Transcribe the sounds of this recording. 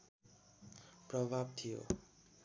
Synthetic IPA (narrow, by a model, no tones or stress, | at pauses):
prʌbʱab̚t̪ʰijo̰